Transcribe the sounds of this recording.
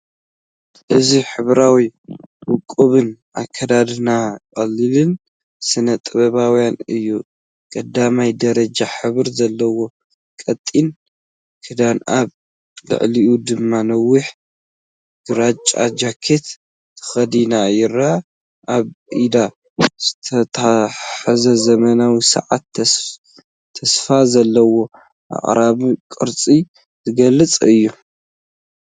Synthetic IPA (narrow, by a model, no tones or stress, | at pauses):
ʔɨziħɨβɾawiwʊkʼːuβɨnʔa̰kʰːɐd̪ad̪ɨnakʼɐlːɨlɨn | sɨnɐt̪ʼɨβɐβawjanɨjːu | kʼɐd̪amajd̪ɐɾɐd͡ʒaħɨβɨɾzɐlːɐwo̞ | kʼɐt̪ʼːin | kʰɨd̪ana̰β | lɨ̰ʕliʔud̪ɨmːanɐwːiħ | ɡ̥ɨɾat͡ʃʼa̰d͡ʒakʰet̪ | t̪ʰɐ̥xɐd̪inajɪɾa | ʔaβʔid̪a | z̥ɨt̪ʰɐt̪ʰħazɐzɐmɐnawisɐ̰ʕa̰t̪ | ɐsfazɐlːɐwo̞ | ʔa̰χʼɾaβikʼɨɾt͡sʼi | zɨɡɐlːɨt͡sʼɨjːu